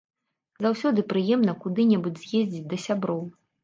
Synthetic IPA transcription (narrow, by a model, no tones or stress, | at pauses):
zawsʲɔd̪ɨpɾɨjɛmnɐkud̪ɨnʲɛbɨd͡zʲzʲjezʲd͡zʲit͡sʲd̪ɐsʲabɾɔw